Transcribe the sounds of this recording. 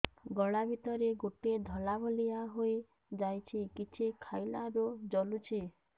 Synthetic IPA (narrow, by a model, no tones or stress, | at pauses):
ɡɔɭabʱit̪ɔɾeɡoʈed̪ʱɔlabʱɔliaɦoj | d͡ʒajt͡ʃʰikit͡ʃʰikʰajlaɾod͡ʒɔlut͡ʃʰi